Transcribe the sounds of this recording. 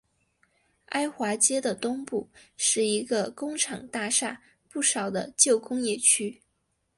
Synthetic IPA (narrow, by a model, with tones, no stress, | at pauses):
a˥ɪxwa˧˥t͡ɕjɛ˥d̪ə˨t̪ʊ˥ŋpu˥˧ʂɻ̩˥˩i˧˥ɡə˧kʊ˥ŋʈ͡ʂʰɑ˨˩ŋt̪a˥˧ʂa˥˩ | pu˥˩ʂɑ˨˩ʊd̪ə˦t͡ɕjo˥˩ʊkʊ˥ŋjɛ˥˩t͡ɕʰy˥